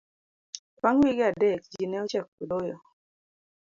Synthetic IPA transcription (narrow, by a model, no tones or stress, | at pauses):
kwaŋwiɡɪadɛk̚d͡ʒinɛɔt͡ʃɛk̚ːudojɔ